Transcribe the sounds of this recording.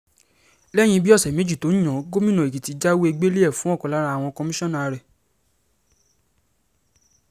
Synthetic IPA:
lɛ˦˨j̃ĩ˧bi˦ɔ˦˨sɛ˨me˨˦d͡ʒi˦˨to˨˦ñ̩˦ɔ̃˨˦ɡo˦mĩ˦nɔ̃˨e˨ki˨ti˨˧d͡ʒa˦wo˦e˧ɡ͡be˦le˦ɛ˦˨fũ˨˦ɔ˦˨kɔ̃˨la˨˦ɾa˧˦a˦˨w̃ɔ̃˧kɔ˧mi˦ʃɔ̃˦nã˦˨a˨˧ɾɛ˨

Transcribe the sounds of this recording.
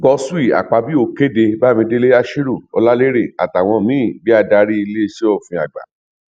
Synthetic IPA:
ɡɔ˧su˦i˦˨a̰˨k͡pa˧bi˦o˧ke˦de˧ba˦˨mĩ˧de˦le˦a˦ʃi˦ɾu˦˨ɔ̰˧la˦le˦ɾe˦˨a̰˨ta˨w̃ɔ̃˧mĩ˨˦i˦˨bi˦a˧da˧˦ɾi˦i˧le˦˧ʃe˦o˦˨fĩ˧a˨ɡ͡ba̰˨

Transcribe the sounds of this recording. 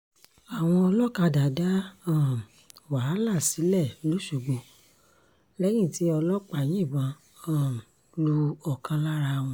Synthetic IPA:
a˨w̃ɔ̃˧ɔ˧lɔ˦ka˧da˨da˦ã˦˨m | wa˨˦la˦˨si˨˦lɛ˦˨lo˦˨ʃu˨ɡ͡bo˧ | lɛ˦ɡĩ˦˨ti˦ɔ˧lɔ˦k͡pa˦˨j̃ĩ˦˨bã˧˦ | ã˨ | lu˧ɔ˨kã˧la˦ɾa˧w̃ɔ̃˧

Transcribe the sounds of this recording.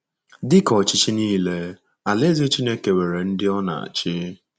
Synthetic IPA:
dɪ˦kɔ˨t͡ʃɪ˦t͡ʃi˦niː˦le˦ | a˨le˦zi˦t͡ʃi˦ne˦ke˨we˨ɾe˨n̩˦dɪ˦ɔ˦na̰˨a̰˨t͡ʃɪ˦

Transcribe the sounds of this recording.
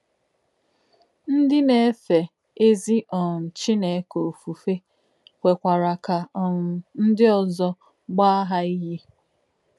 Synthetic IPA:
n̩˦dɪ˦ne˦˨˦fe˨ | e˦zi˦ʔɔ˨n̩˨t͡ʃɪ˦ne˨˦ko˨fu˨fe˦ | kʷe˨kʷa˨ɾa˨ka˨ɔ˨nʊ˨n̩˦dɪ˦ɔ˨zɔ˦ | ɡ͡ba˦ɦa˦i˦ɦi˦

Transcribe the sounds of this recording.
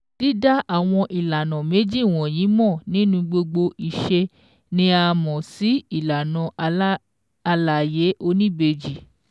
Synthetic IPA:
ti˦da˦ʔa˦˨w̃ɔ̃˧ʔi˨la˨nã˨me˨˦d͡ʒi˦˨w̃ɔ̃˨j̃ĩ˨˦mɔ̃˦˨nĩ˦nũ˧˦ɡ͡bo˧ɡ͡bo˧i˨ʃe˧ | nĩ˦a˧mɔ̃˨si˨˦i˦˨la˨nɔ̃˨˦ | a˧la˨je˨˦ʔo˧nĩ˦be˧d͡ʒi˦˨

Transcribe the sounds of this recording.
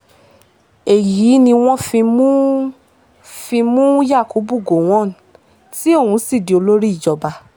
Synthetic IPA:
e˨ji˨˦nĩ˧w̃ɔ̃˦fi˧mũ˦ | fĩ˧mũ˦ja˦˨ko˨˦bu˦˨ɡo˨w̃ɔ̃˦˨ | ti˦o˦˨hũ˧˦si˦˨di˨o˧lo˦ɾi˦i˦˨d͡ʒɔ˧ba˧

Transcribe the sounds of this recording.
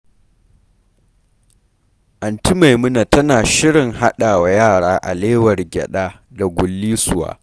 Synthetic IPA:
ʔa˨nti˦ma˨jmʊ˦na˨tɐ˦naː˨ʃɪ˦ɽɪ˨ŋɦa˦ɗaː˨wa˨jaː˦˨ɽaː˦ʔa̰˨leː˦wɐ˨rɡʲɛ̰˨ɗaː˦ | da˨ɡʷʊ˨lːiː˦sʊ˦wa̰ː˨

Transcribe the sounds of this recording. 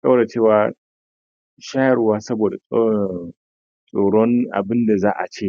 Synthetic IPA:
kʼa˦wɽe˨t͡ʃeː˦˨waː˨ | ʃa˦jɐ˨ɽwaː˦sɐ˦boː˨da˨˦ | sʼoː˨ɽɔ˦nʔa̰˨bɪ˦nda˨zaː˦ʔa̰˨t͡ʃeː˦˨

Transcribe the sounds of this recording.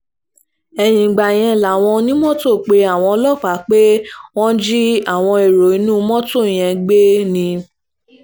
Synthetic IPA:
ɛ˧j̃ĩ˨ɡ͡ba˨j̃ɛ̃˧˨la˨w̃ɔ̃˧nĩ˦mɔ̃˦to˦˨k͡pe˧a˨w̃ɔ̃˧lɔ˦˨fa˨˦k͡pe˦w̃ɔ̃˦d͡ʒi˦a˦˨w̃ɔ̃˧e˨ɾo˨i˨˧˦nũː˦˧mɔ̃˦to˦˨j̃ɛ̃˧ɡ͡be˦nĩ˧

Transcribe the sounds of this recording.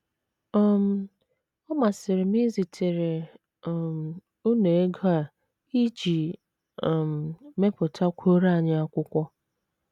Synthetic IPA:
ɔ˦m̩˦ | ɔ˦ma˨sɪ˨ɾɪ˨mi˦zi˨tʰe˨ɾe˨ | m̩˨ | u˦ne˨e˦ɡa˨ | i˦d͡ʒi˨ | m̩˨me˦pʊ˨tʰa˦kʷʰo˦ɾa˦˨ɲɪ˦a˦kʷʊ˦kʷɔ˦

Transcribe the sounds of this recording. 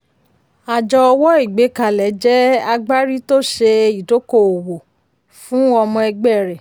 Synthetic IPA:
a˨d͡ʒɔ˧ɔ˧wɔ˦i˦˨ɡ͡be˨˦ka˨lɛ˨˦d͡ʒɛ˦a˧ɡ͡ba˦ɾi˦to˦ʃe˧i˨do˨˦ko˦˨o˨wo˨ | fũ˦ɔ˧mɔ̃˧ɛ˧ɡ͡bɛ˦˨ɾɛ˨

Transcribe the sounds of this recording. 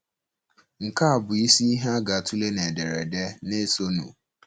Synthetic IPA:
ŋ̩˨ka˦a˨bʊ˨i˦si˦i˦ɦa˦ɡa˨tʰu˦le˦ne˨de˨ɾḛ˨de˦ne˦so˦nṵ̃˨

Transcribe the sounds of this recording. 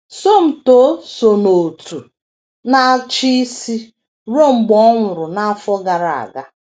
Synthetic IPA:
so˦m̩˨to˦so˨no˨tu˨ | na˦t͡ʃi˦si˦ | ɾo˦˨ŋ͡m̩˨ɡ͡bɔ˦ŋʷʊ˨ɾʊ˨na˦a˦fɔ˦ɡa˨ɾa˨a̰˨ɡa˦

